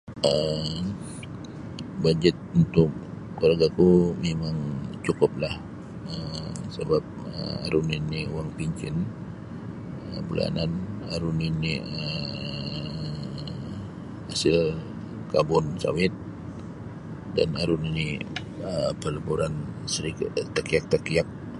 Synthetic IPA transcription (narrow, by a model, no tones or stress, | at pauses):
ə | bad͡ʒət̪̚unt̪ʊk | koɾaɡakumemaŋt͡ʃukʊp̚lah | əsəbap̚ə̰a̰ɾuniniuwaŋpiɲkɪn | əbula̰nanaɾuniniə | hasɪl | kabʊnsa̰wɪt̪̚ | da̰naɾunini | əpələbuɾansəɾikt̪akiak̚t̪akiak̚